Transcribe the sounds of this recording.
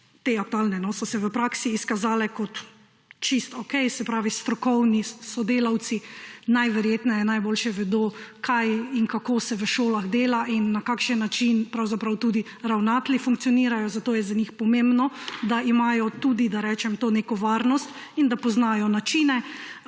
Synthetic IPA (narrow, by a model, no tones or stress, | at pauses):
t̪eak̚t̪uaːlnɛnɔsɔsɛʋəpɾaːksiːskazaːlɛkɔt̪ | t͡ʃist̪ɔkɛjsɛpɾaːʋist̪ɾɔkɔwnisɔd̪eːlaw̪sinajʋɛɾjeːt̪nɛjɛnajboːlʃɛʋɛd̪oːkʰajinkakoːsɛʋəʃoːlaɣd̪eːlaʔinːakakʃənːat͡ʃinpɾawzapɾawt̪uːd̪i | ɾawnaːt̪lifuŋk̪̚sijɔniːɾajɔzat̪oːjɛzaɲixpɔmẽmbnɔd̪aʔimaːjɔt̪uːd̪id̪aɾɛːt͡ʃɛmt̪oːnekɔʋaːɾnɔst̪ind̪apɔznaːjɔnat͡ʃinɛ